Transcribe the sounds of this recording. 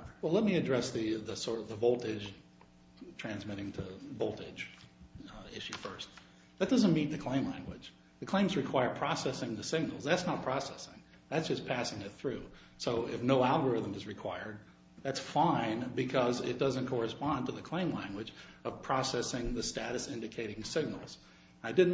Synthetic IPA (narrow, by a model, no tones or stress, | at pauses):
wɛlˠɛt̚miɨdɹɛsðɨðɨsɔɹɾʌðəvoʊlˠtɪd͡ʒʒ̥ | tʰɹ̥æ̃nzmɪɾɪ̃ŋtʰɨvoʊlˠtɪd̥ʒ̥ | ɪʃʉfɜ˞st̚ | ðɨt̚d̥ʌzə̃nmit̪̚ðɨkʰl̥ẽɪ̃mlæ̰̃ŋɡwɨ̰d̥d͡ʒ | ðɨkʰl̥ẽɪ̃mzɹɨkʰw̥aɪə˞pʰɹ̥ɑsɛsɪ̃ŋðɨsɪɡ̚nl̩ˠzðætsnət̚pʰɹ̥ɑsɛsɪ̰̃ŋ | ðætsd̥ʒ̥ʌspʰæsɪ̃ŋɨt̪̚θɹʉ | soʊɪfnoʊælˠɡə˞ɪðə̃mɨzɹɨkʰw̥aɪə˞d̪̚ | ðætsfãɪ̃nbɨkʰʌzɪt̚d̥ʌzɨ̃nkʰɔɹɨspɑ̃ntʰəðɨkʰl̥ẽɪ̃mlæ̃ŋɡwɨd͡ʒʌv̥pʰɹ̥ɑsɛsɪ̃ŋðɨstæɾɨsɪ̃ndɨkʰeɪɾɪ̃ŋsɪɡ̚nl̩ˠz̥ | naɪdɪdⁿn̩